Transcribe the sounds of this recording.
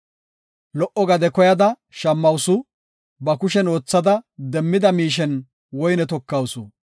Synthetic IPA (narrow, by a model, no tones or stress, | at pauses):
lɔʔɔɡɐd̪ɛkɔjɐd̪ɐ | ʃɐmːɐwsʊ | bɐkʊʃɛno̞ːt͡sːɐd̪ɐd̪ɛmːɪd̪ɐmiːʃ̬ɛn | wɔjnɛt̪ɔkːɐwsʊ